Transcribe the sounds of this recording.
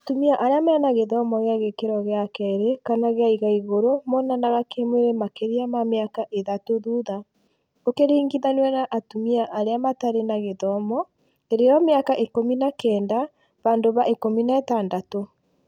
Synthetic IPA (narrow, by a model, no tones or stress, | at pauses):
atumiaʔaɾeamaanaɣeðɔmɔɣeaɣekeɾɔɣeakɛeɾekanaɣeaiɣaiɣoɾomɔnanaɣakemweɾemakeɾiamameakaʔeðatoðuða | okeɾiːŋɡiðanwɛnaʔatumiaʔaɾeamataɾenaɣeðɔmɔ | eɾejɔmeakaʔekominakɛːnda | βaːndoβaʔekominaɛtaːndato